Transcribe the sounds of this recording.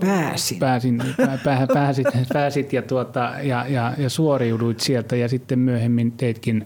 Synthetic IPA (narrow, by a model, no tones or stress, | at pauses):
pæːsipæːsinæpæːpæːsit̪pæːsit̪jɑt̪uot̪ɑjɑjɑjɑsuoriuduit̪sielt̪æjɑsit̪ːemmyøhemːint̪eit̪kin